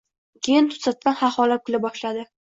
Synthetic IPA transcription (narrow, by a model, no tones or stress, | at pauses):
kʲʰejɪnt̪ʰʊ̥t̪sat̪̚kʲanhaχɒlap̚kʰʲʊlɪbɒʃlad̪ɪ